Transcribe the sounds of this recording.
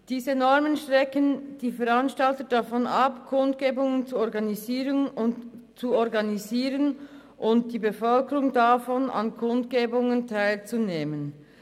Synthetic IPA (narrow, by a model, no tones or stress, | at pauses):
d̥iːzənɔɐmənʃtʁ̥ɛkənd̥iːfɛʁanʃtaltədafɔnɑpkʰʊndɡ̥eːbʊŋənt͡suɔʁɡɑniziːʁənʊntt͡suɔɾɡɑniziːʁən | ʔʊnt̚d̥iːbəfœlkəʁʊŋdafɔnʔɑ̰nkʰʊndɡeːbʊŋəntʰaɪlt͡suneːmən